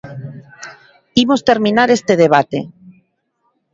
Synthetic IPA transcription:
imost̪eɾmĩnaɾest̪eð̞eβ̞at̪e

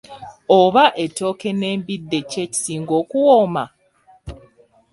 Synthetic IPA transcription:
oβaʔeto̞ːke̞ne̞ːmbidːe̞ceci̥siːŋɡo̞ːkuwoma

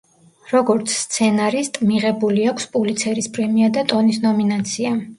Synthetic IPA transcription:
ɾɔɡɔɾt̪sʰst̪sʰɛnaɾist̪ʼmiʁɛbuliakʰspʼulit̪sʰɛɾispʼɾɛmiad̪at̪ʼɔnisnɔminat̪sʰia

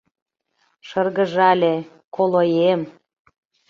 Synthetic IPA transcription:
ʃɤrɣə̆ʒɑlʲe | kolojem

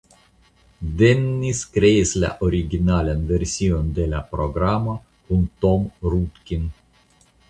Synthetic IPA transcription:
d̪e̞nːiskɾe̞isla̰ʔoɾiɡʲinalanve̞ɾsio̞nd̪e̞lapɾo̞ɡɾamo | kunt̪o̞mɾut̪kʲin

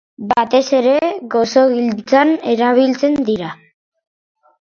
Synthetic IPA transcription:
bat̪e̞se̞ɾe̞ɣo̞soɣilt͡sane̞ɾaβ̞ilt͡se̞nd̪iɾa

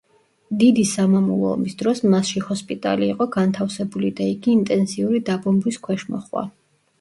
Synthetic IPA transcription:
d̪id̪isamamulˠɔ̰ɔmisd̪ɾɔsmasʃihɔspʼit̪ʼa̰liːqʼɔɡant̪ʰafsɛbulid̪aiɡiːnt̪ʼɛnsiuɾid̪abɔmbwiskʰwɛʃmɔ̰χwa̰

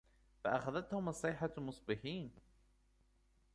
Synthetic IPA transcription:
faʔaxaðat̪hʊmɑsˤːɪħamʊsˤbɪħiːn

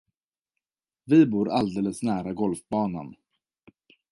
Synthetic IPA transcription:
vɪbuːɾald̪eːləsnæːɾaɡɔlfbɑːna̰n

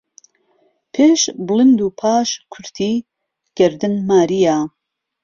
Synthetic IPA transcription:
pʰeːʃblɨnd̪uːpʰaːʃkʰʊɾt̪ʰiː | ɡ̥ɐɾd̪ɨnmaːɾijaː

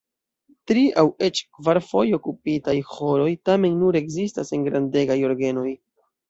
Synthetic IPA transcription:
tɾiʔawe̞t͡ʃkvaɾfo̞jo̞kupitajho̞lo̞jtame̞nːuɾe̞ɡzistase̞nɡɾande̞ɡajo̞ɾɡe̞no̞j

